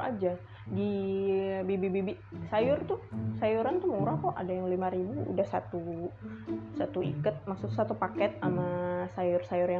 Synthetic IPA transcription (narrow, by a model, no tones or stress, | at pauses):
a̰d͡ʒa | di | bebebebe | sajʊrt̪ʊsajuɾant̪umuɾahkɔʔa̰dajaŋlimaɾibṵːdahsat̪u | sat̪uḭkət̪̚maksʊt̪sat̪upakɛt̪̚amasajʊrsajʊrja